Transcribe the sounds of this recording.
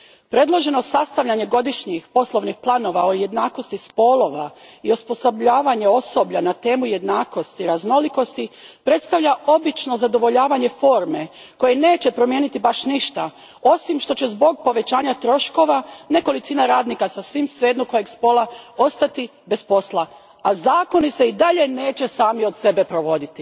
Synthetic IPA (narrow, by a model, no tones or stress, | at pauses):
pɾe̞d̪lˠo̞ʒe̞no̞sast̪aʋʎaɲe̞ɡo̞d̪iʃɲixpo̞slo̞ʋnixplˠaːno̞ːʋaoje̞d̪naːko̞st̪ispo̞lˠo̞ʋa̰iuspo̞sobʎaːʋaɲe̞o̞so̞bʎanat̪e̞ːmuje̞d̪naːko̞st̪iɾazno̞liko̞st̪ipɾe̞t̪st̪aʋʎao̞bit͡ʃno̞zad̪o̞ʋo̞ʎaːʋaɲe̞fo̞ːɾme̞ko̞jene̞ːt͡ɕe̞pɾo̞mjenit̪ibaʃniʃt̪a | o̞simʃt̪o̞t͡ɕe̞zbo̞ɡ̚po̞ʋe̞t͡ɕaːɲat̪ɾo̞ʃko̞ʋane̞ko̞lit̪sinaɾaːd̪nikasasʋimsʋeːd̪nuko̞jeɡspo̞ːlˠao̞st̪at̪i | be̞spo̞slˠa | azaːko̞niseid̪aʎe̞ne̞ːt͡ɕe̞saːmiod̪se̞be̞pɾo̞ʋo̞d̪it̪i